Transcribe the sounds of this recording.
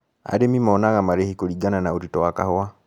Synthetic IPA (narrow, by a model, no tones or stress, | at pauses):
a̰demimɔnaɣamaɾehikoliɡananauɾitɔwaka̰howa